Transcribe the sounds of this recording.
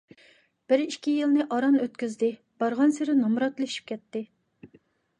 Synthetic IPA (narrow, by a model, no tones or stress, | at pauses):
b̥ɪɾikʲijilnɪʔɑɾɑnøt̪kʲyzd̪ɪ | b̥ɑɾʁɑnseɾɪnɑmɾɑt̪lˠɨʃi̥p̚kʲʰɛt̪ːɪ